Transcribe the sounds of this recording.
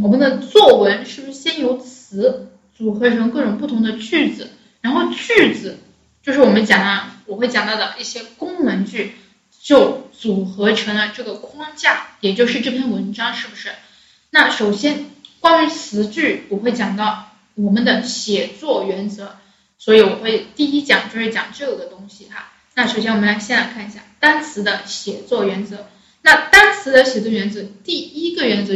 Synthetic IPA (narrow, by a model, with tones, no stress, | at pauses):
wɔ˨˩mə˧˦nd̪ə˧t͡swɔ˥˩wə˧˥nʂɻ̩˥˩bu˩ʂɻ̩˥˩ɕjɛ˥njo˧˥ʊt͡sʰɹ̩˧˥ | t͡su˨˩xɤ˧˥ʈ͡ʂʰɤ˧˥ŋkɤ˥˩ʈ͡ʂʊ˨˩ŋpu˥˩t̪ʰʊ˧˥ŋd̪ə˧t͡ɕy˥˩t͡sɹ̩˩ | ɻa˧˥nxo˥˧ʊt͡ɕy˥˩t͡sɹ̩˨˩˦ | t͡ɕjo˥˧ʊʂɻ̩˥˩wɔ˨˩mə˦nt͡ɕjɑ˨˩ŋɑ˥˩wɔ˨˩xwe˥˩ɪt͡ɕɑ˨˩ŋt̪ɑ˥˩d̪ə˩i˥˩ɕjɛ˥kʊ˥ŋnə˧˥nt͡ɕy˥˩ | t͡ɕjo˥˩ʊt͡su˨˩xɤ˧˥ʈ͡ʂʰɤ˧˥ŋlə˧ʈ͡ʂɤ˥˩ɡə˩kʰwɑ˥ŋt͡ɕja˥˩jɛ˨˩t͡ɕjo˥˧ʊʂɻ̩˥˧ʈ͡ʂɤ˥˧˩pʰjɛ˥˩nwə˧˥nʈ͡ʂɑ˥ŋʂɻ̩˥˩bu˩ʂɻ̩˥˩ | na˥˩ʂo˨˩ʊɕjɛ˥nkwa˥ny˧˥t͡sʰɹ̩˧˥t͡ɕy˥˩pu˧˥xwe˥˩ɪt͡ɕjɑ˨˩ŋt̪ɑ˥˩ʊ | wɔ˨˩mə˦nd̪ə˧ɕjɛ˨˩t͡swɔ˥˩ɥɛ˧˥nt͡sɤ˧˥ | swɔ˧˥i˧˥wɔ˨˩xwe˥˧ɪt̪i˥˩i˥t͡ɕjɑ̰˨˩ŋt͡ɕjo˥˧ʊʂɻ̩˥˩t͡ɕjɑ̰˨˩ŋʈ͡ʂɤ˥˩jo˨˩d̪ə˦t̪ʊ˥ŋɕi˨xa˥ | na˥˩ʂo˨˩ʊɕjɛ˥nwɔ˨˩m˦la˧˥ɪɕjɛ˥˩nla˧˥ɪkʰa˥˩ni˧˩ɕja˥˩t̪a˥nt͡sʰɹ̩˧˥d̪ə˧ɕjɛ˨˩t͡swɔ˥˩ɥɛ˧˥nt͡sɤ˧˥ | na˥˩t̪a˥nt͡sʰɹ̩˧˥d̪ə˧ɕjɛ˨˩t͡swɔ˥˩ɥɛ˧˥nt͡sɤ˧˥t̪i˥˩i˥ɡə˨ɥɛ˧˥nt͡sɤ˧˥